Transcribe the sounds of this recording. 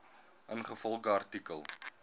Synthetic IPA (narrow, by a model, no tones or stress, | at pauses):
ənχəfɔlˠχəɐrtikəlˠ